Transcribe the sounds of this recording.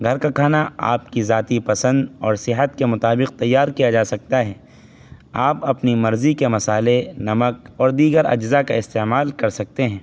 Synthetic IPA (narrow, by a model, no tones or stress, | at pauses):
ɡʱɐɾkakʰaːnaa̰ːp̚kizaːt̪ipɐsə̃nd̪ɔːɾsɪɦət̪kemʊt̪aːbɪq̚t̪ɐjːaːɾkijad͡ʒaːsɐk̚t̪aɦɛː | aːpɐpnimɐɾzikemɐsaːlenɐməkɔːɾd̪iːɡəɾɐ̰d͡ʒzakaɪst̪eːmaːlkɐɾsɐk̚t̪eɦɛ̃ː